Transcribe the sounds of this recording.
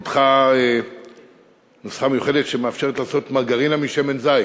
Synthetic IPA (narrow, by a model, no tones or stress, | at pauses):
tχae | nosχame̞juχe̞detʃemeafʃe̞ʁetlaːso̞tmaɡaʁinamiʃeme̞nzaj